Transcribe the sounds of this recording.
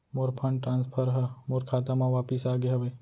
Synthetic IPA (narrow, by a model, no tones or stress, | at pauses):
moɾpʰɐɳɖʈɾãːnspʰəɾɦɐmʊɾkʰaːt̪amãʋaːpisaːɡeɦɐbe